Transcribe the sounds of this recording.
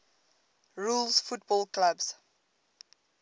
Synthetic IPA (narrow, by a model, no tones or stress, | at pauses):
ɹulsfut̚bɔlklabs